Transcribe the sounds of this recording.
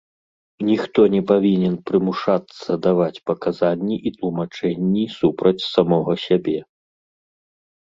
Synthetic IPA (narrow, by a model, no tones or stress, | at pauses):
nʲixt̪ɔnʲɛpavʲinʲɛnpɾɨmuʂat̪sːɐd̪avat͡sʲpɐkazanʲːiʔit̪lˠumat͡ʂɛnʲːisupɾɐt͡sʲsamɔɣɔsʲabʲɛ